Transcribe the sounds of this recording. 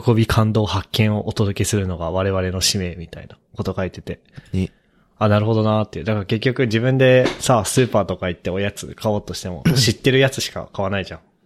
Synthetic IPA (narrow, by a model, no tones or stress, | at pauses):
ko̞bʲikʰãnd̪o̞ːhakːẽ̞ɰ̃o̞ʔot̪o̞d̪o̞ke̞sɨɾɯ̟no̞ɡaβaɾe̞βaɾe̞no̞ɕime̞ːmʲit̪aḭnako̞t̪okait̪e̞t̪e̞ | anaɾɯ̟ɦo̞d̪o̞nat̪ːeɯ̟d̪akaɾake̞kʲːo̞kɯ̟d͡ʑibɯ̟̃nd̪e̞sasɨːpaːt̪o̞kait̪ːeo̞jat͡sɨ̰kʰao̞ːt̪o̞ɕi̥t̪e̞mo̞̰ɕit̪ːe̞ɾɯ̟jat͡sɨɕi̥ka̰kaβ̞anaiʑã̰ŋ̃